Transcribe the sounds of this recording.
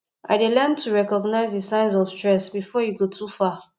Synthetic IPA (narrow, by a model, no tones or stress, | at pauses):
ʔa̰ɪdelɛntʰuɹɛkɔɡnaɪzðisãɪ̃nzɔv̥stɹɛsbifɔjuɡotʰufa